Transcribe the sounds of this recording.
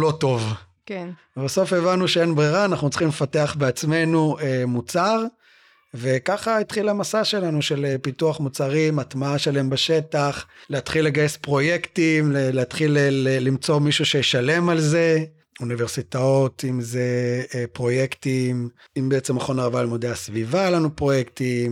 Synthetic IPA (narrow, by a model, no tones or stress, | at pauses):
lo̞to̞v | kevebaso̞fevanuʃeenbʁiʁaːnaχnut͡si̥χimlefateaχbeat͡sme̞nuemut͡saʁ | ve̞kaχait̪χilamasaʃe̞lanuʃe̞lepituaχmut͡saʁimat̪maaʃelaembeʃe̞taχleat̪χilːe̞ɡajespʁo̞je̞ktimleleat̪χilelelimt͡so̞miʃuʃejeʃale̞malze̞ | univeʁsit̪ao̞t̪imzepʁo̞je̞ktim | imbeet͡semaχo̞naʁavalmod̪easvivalanupʁo̞jekt̪im